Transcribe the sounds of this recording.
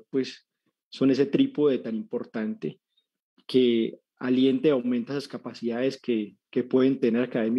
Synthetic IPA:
pwe̞sː | o̞ne̞s̬e̞t̪ɾipoðe̞t̪animpo̞ɾt̪ant̪e̞ | kʰe̞ | alje̞nt̪eawme̞nt̪aesaskapasiðaðeske | ke̞pwe̞ðent̪e̞ne̞ɾakaðemj

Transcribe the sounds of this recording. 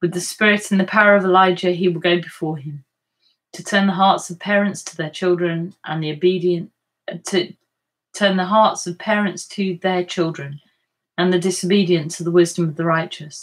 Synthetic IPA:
wɨðɨspɪɹɪtn̩ðɨpʰaʊəɹʌvɪlaɪd͡ʒɨiwɪlˠɡoʊbɪfɔɹɪ̃m | tʰətʰɜ̃˞nðəɦɑɹtsʌv̥pʰɛɹɨ̃ntstʰəðət͡ʃʰɪlˠdɹɨ̃nʔə̃nðioʊbiɾiɨ̃n | tʰɨ | tʰɜ̃nðəɦɑɹtsʌv̥pʰɛːɹɨ̃ntstʰɨðət͡ʃʰɪlˠdɹɨ̃n | ə̃nðɨdɪsoʊbiɾiɨ̃ntʰəðəwɪzdə̃mʌvðəɹaɪt͡ʃəs

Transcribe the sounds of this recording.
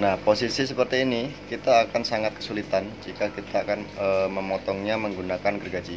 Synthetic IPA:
nahposisisəpərt̪iːnikit̪aːkansaŋat̪̚kə̥sulit̪and͡ʒikakit̪aːkanəməmɔt̪ɔŋɲaməŋɡunakanɡərɡad͡ʒi

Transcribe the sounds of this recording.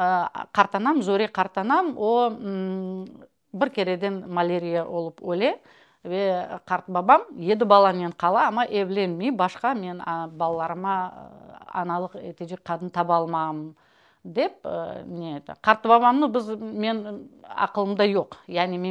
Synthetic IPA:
əqʰɑɾt̪ɑnɑmzɵɾeqʰɑɾt̪ɑnɑmwo | bɪɾkʲʰe̞ɾe̞d̪e̞nmalʲe̞ɾʲijabo̞lˠəpwɵle̞ | eqʰɑɾt̪əbɑbɑmje̞d̪ɪbɑlˠɑneɴqʰɑlˠɑɑmɑʔeble̞nmejbɑʃqɑme̞nbɑlˠɑlˠɑɾəmɑ̰ | ɑ̰nɑlˠəqet̪ʰed͡ʒek̚qʰːɑd̪ənt̪ʰɑbɑlˠmɑmən | d̪e̞p̚net̪ɪ̰qʰɑɾt̪ːəbɑbɑmnəbɪzme̞nɑ̰qəlˠəmd̪ɑjo̞qjæʁneme

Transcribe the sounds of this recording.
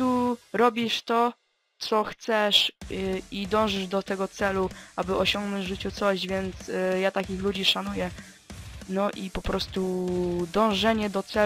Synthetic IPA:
uɾɔbʲiʂt̪ɔ | t̪sɔxt̪sɛʂ | id̪ɔ̃w̃ʐɘʐd̪ɔt̪ɛɡɔt̪sɛluʔabɘɔɕɔŋɡnɔ̃ɲd͡ʑʐɘt͡ɕut̪sɔʑvʲjɛnt̪sjat̪akʲixlud͡ʑiʂanujɛ | nɔʔipɔpɾʔɔst̪ud̪ɔ̃w̃ʐɛɲɛd̪ɔt̪sɛ

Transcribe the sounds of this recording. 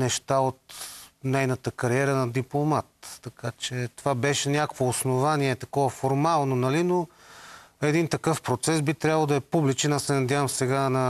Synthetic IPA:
nɛʃt̪aot̪nɛjnət̪əkɐɾiɛɾənɐd̪iplˠomat̪ːɐkat͡ʃɛt̪ovabɛʃɛnʲakvoːsnovaniɛt̪ɐkɔvɐfoɾmalˠnonɐlino | ɛd̪int̪ɐkɤfpɾot̪sɛsbit̪ɾʲjabəlˠd̪ɐɛpublit͡ʃɛnassɛnɐd̪ʲjavɐmsɛɡanɐ

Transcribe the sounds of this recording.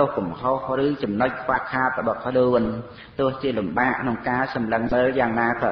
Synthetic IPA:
ohkumhohrɨːt͡ɕɑmnoc̚kʰʋahkʰaːt̪̚rɔɓɑhkʰluən | t̪ʊ̆əht͡ɕiəlumɓaːʔkʰnoŋkaːsɑmləŋməːljaːŋnaːkʰaː

